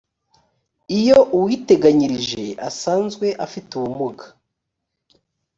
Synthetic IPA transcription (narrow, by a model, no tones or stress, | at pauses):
ijo̞ʔuwiːte̞ɡaɲiɾiʒe̞ʔa̰saːnzɡwe̞ʔafituβumuɡḁ